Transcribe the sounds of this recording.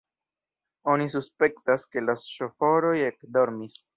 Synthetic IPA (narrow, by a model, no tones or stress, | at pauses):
o̞nisuspe̞ktaske̞lasʃofo̞ɾo̞je̞kdo̞ɾmis